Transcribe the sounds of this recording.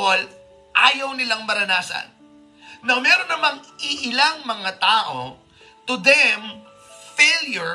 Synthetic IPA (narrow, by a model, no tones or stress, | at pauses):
ol | ʔaːjɐwnɪlaŋmɐɾɐnaːsɐ̰n | nɐŋmɛːɾo̞nːɐmaŋʔɪʔɪlaŋmɐŋat̪aːʔo̞ | t̪ʊd̪ɛm | feljʊ